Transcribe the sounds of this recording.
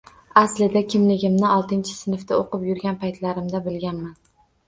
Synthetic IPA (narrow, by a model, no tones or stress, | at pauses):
aslɪd̪akʲʰɪmlɪɡʲɪmnɪɒlˠt̪ʰɪnt͡ʃʰɪ̥sɪnɪft̪aoqɨpjʊɾɡʲanpʰajt̪ʰlaɾɪmd̪abɪlɡʲanman